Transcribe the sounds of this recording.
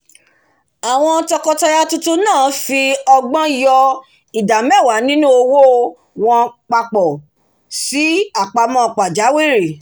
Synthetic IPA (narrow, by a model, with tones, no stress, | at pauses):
a˨w̃ɔ̃˧tɔ˧kɔ˧tɔ˧ja˧tu˧tu˧nãː˦˨fi˧ɔ˧ɡ͡bɔ̃˦jɔ˧ | i˨da˨mɛ˦˨wa˨˦nĩ˦nũ˦o˧wo˦ | w̃ɔ̃˧k͡pa˧k͡pɔ˨ | si˨˦a˨k͡pa˧mɔ̃˦˨˧k͡pa˨d͡ʒa˨˦wi˦˨ɾi˨